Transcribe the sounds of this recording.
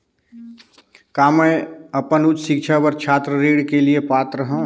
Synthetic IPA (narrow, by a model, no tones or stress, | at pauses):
kaːməəpənut͡ʃʃɪkt͡ʃʰabəɾt͡ʃʰaːt̪ɾəɾeːɽkeliepaːt̪ɾəɦə̃